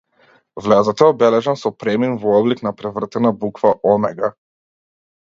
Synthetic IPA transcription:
vlʲɛzat̪ɛɔbɛlɛʒansɔpɾɛminvɔɔbliknapɾɛvr̩t̪ɛnabukvaʔɔmɛɡa

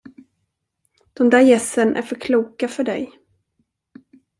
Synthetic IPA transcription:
d̪̥ɔmd̪æːɾjɛsːənʔæ̰ɾfœɾkʰluːkafœɖɛ̰j

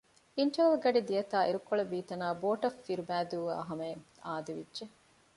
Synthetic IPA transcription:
iɳʈɐɐlɡɐɖid̪ijɐt̪aːʔiɾukːoɭɐbiːt̪ɐnaːboːʈɐfːiɾubæːd̪uːʋa̰ːɦɐmɐŋ | a̰ːd̪iʋidʒe

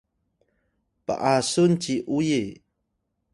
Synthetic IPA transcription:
pa̰ʔasunt͡ɕiʔuji

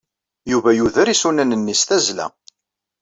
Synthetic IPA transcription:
juvæjuðəɾisunænənːisθæzlæ̰

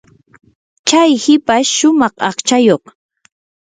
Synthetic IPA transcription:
t͡ʃajhɪpaʃʊmɑχɑ̰χt͡ʃajoχ

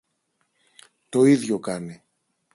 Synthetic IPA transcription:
t̪o̞iðʝo̞kɐni

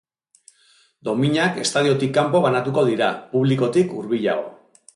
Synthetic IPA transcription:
d̪o̞miɲake̞st̪að̞io̞t̪ikːampo̞β̞anat̪uko̞ðiɾapuβliko̞t̪ikuɾβiʎa̰ɣo̞̰

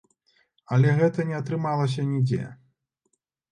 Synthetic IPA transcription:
ɐlʲɛɣɛt̪ɐnʲɛɐt̪ɾɨmalˠɐs̬ʲɐnʲid͡zʲɛ̰

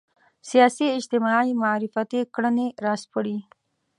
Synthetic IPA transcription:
sijɑsiɪd͡ʒt̪ɪmɑimaɾɪfat̪ikɽəneɾɑspəɽi

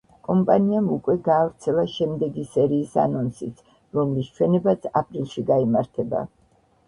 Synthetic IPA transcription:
kʼɔmpʼaniamukʼwɛɡaːvɾt̪sʰɛlˠaʃɛmd̪ɛɡisɛɾiːsa̰nɔnsit̪sʰ | ɾɔmlist͡ʃʰwɛnɛbat̪sʰapʼɾilˠʃiɡaimaɾt̪ʰɛba̰

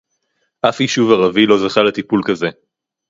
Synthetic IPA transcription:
ʔafiʃuvaʁavilo̞zaχalet̪ipulkaze̞

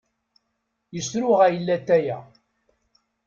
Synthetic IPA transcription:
jəsɾʊʁæjəlːæt̪ːæjæ

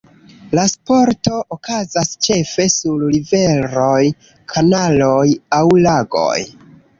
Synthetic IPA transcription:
laspo̞ɾto̞ʔokazast͡ʃe̞fe̞sullive̞ɾoj | kʰanalojawlaɡo̰j

